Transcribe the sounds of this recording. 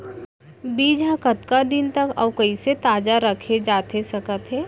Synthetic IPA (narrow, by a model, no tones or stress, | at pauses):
biːd͡ʒãkət̪kad̪ɪnt̪ɐkɐ̰ːkɐiset̪aːd͡ʒaɾɐkʰed͡ʒaːt̪esɐkət̪ɦɛː